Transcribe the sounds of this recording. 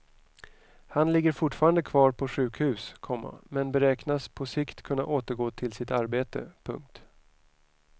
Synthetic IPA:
hanlɪɡːəɾfʊʈːfɑːɾand̪əkʰvɑːɾpʰɔɧʉ̟ːkhʉ̟ːskʰɔmːa̰mɛnbɛɾɛːknaspʰɔsɪkt̪kʰɵnːa̰ʔoːt̪əɾɡoːt̪ʰɪlsɪt̪aɾbeːt̪ə̰pʰɵ̰ŋk̚t̪

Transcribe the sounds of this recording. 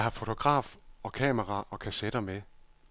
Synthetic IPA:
hɑ̈fo̝t͡sʰo̝ɡ̥ʁɑ̰̈ːfɒ̽kʰɛ̰ːmɐʁɑ̈ʔɒ̽kʰæsed̥ɐme

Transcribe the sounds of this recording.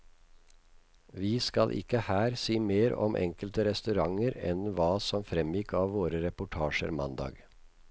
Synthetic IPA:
ʋiːskɑlʔɪ̰kəhæːɾsiːmeːɾɔ̰mʔɛ̰ŋkəlt̪əɾɛst̪ʉɾɑŋəɾɛnʋɑːsɔmfɾɛmjɪkʰɑːʋʋoːɾəɾɛpʊʈʰɑːʃə̰ɾmɑ̰nd̪ɑ̰ːɡ

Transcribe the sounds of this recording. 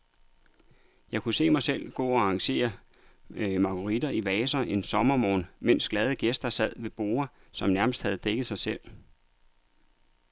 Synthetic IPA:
jɑ̈ɪkʰuse̝̰ːmɑ̈ɪsel̰ɡ̥ɔ̰̽ːɒɑ̈ŋɕe̝̰ːɐ | mɑ̈kʰoʁid̥ɐiʋɛːsɐʔe̝nsɒ̽mɐmɒ̰ːnmen̰sɡ̥lɛð̞ˠəɡ̥esd̥ɐsæð̰ˠʋe̝b̥o̝ːɐsɒ̽mnæɐməsd̥hæð̞̩ˠd̥eɡ̥ð̩ˠsɑ̈ɪsel̰

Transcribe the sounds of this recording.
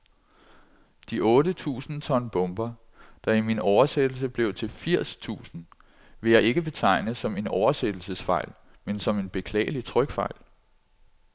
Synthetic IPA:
d̥iʔɔ̽ːdət͡sʰṵːsn̩t͡sʰɒ̽nb̥ɔ̽mb̥ɐ | d̥ɑ̈iminɒʊɐsed̥l̩s̬əb̥le̝ʊt͡sʰe̝lfiɐ̰st͡sʰṵːsn̩ | ʋe̝jɑ̈ɪe̝ɡ̥əb̥e̝t͡sʰɑ̈ɪ̰nəsɒ̽me̝nɒʊɐsed̥l̩səsfɑ̈ɪ̰l | mensɒ̽me̝nb̥e̝kʰlɛ̰ːəlit͡sʰʁœɡ̥fɑ̈ɪ̰l

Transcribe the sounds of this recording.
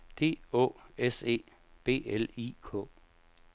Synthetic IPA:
d̥e̝̰ːɔ̝̰ese̝̰ː | b̥e̝̰ːelikʰɔ̰̽ː

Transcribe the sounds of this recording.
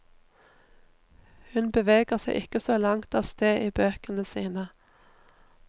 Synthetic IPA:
hʉnbəʋeːɡəʁsæɪʔɪkəsoːlɑŋt̪ɑːʋst̪eːʔiːbøːkənəsiːnə

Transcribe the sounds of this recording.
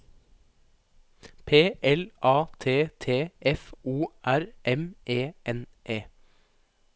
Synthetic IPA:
pʰeːʔɛlʔɑːt̪ʰeːt̪ʰeːɛfuːʔæɾʔɛmʔeːʔɛnʔeː

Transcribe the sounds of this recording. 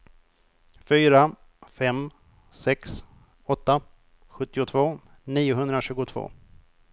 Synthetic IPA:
fyːɾa | fɛm | sɛks | ɔt̪ːa | ɧɵt̪ːɪʊt̪ʰvoː | niːʊɦɵnd̪ɾaɕʉ̟ːɡʊt̪ʰv̥o̰ː

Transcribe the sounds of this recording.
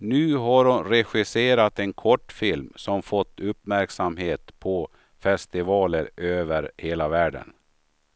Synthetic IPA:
nʉ̟ːɦaɾhʊnɾɛɧɪseːɾat̪ɛnkʰɔʈːfɪlmsɔmfɔt̪ːɵpːmæɾksamɦeːt̪pʰɔ | fɛst̪ɪvɑːləɾøːvəɾheːlavæːɖə̰n

